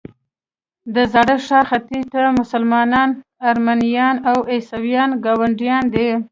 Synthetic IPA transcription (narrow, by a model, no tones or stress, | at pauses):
d̪əzɑɽəʂɑxat̪iʈ̪amʊsalmɑnɑnaɾmanijɑnawesawjɑnɡɑwaɳɖijɑnd̪e